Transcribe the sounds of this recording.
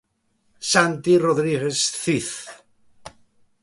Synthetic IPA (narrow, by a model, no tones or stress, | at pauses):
sant̪iroðɾiɣesθiθ